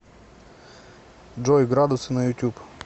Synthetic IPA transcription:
d͡ʒɔjɡɾɑd̪ʊsɪnɐjʊtʲup

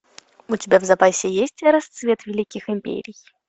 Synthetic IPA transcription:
ʊtʲɪbʲavzɐpasʲɪjesʲtʲɾɐst̪svʲe̞t̪vʲɪlʲikʲɪxɪmʲpʲḛɾʲɪj

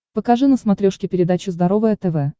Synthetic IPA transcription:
pəkɐʐɨnəsmɐt̪ɾʲoʂkʲɪpʲɪɾʲɪd̪at͡ɕʊzd̪ɐɾo̞vəjət̪ɛvɛ

